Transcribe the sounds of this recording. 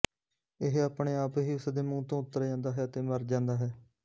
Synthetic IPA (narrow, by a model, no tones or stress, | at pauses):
ɪɦaːpɳeːaːpɦiːʊsd̪eːmũːt̪õːʊt̪ːəɾd͡ʒãːnd̪aːɦɛːət̪eːməɾd͡ʒãːnd̪aːɦɛː